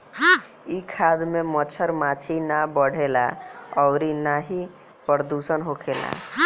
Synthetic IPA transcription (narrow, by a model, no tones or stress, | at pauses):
ɦ | ikʰad̪memət͡ʃʰəɾmat͡ʃʰinabəɽ̤ʱela̰ɔʊɾinaɦi | pəɾd̪usənɦokʰela̰